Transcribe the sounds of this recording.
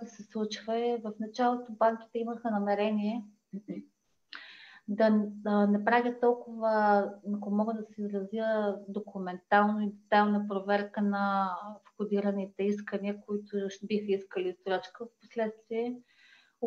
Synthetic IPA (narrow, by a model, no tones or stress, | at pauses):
t̪ʊsɛslˠut͡ʃvəɛvɐfnɐt͡ʃalˠot̪obaŋk̟ʲi̥t̪ɛiməxənɐmɛɾɛniɛ | d̪ɐnɛpɾavʲətt̪ːɔlˠkʊvənɐkomɔɡəd̪ɐsɛizɾɐzʲəd̪okʰumɛnt̪alˠnoid̪ɛt̪alnɐpɾovɛɾkənɐfxʊd̪iɾɐnit̪ɛiskəniəkoit̪ʊbixəiskəlist̪ɾɔt͡ʃkəfpo̥slɛt̪st̪viɛ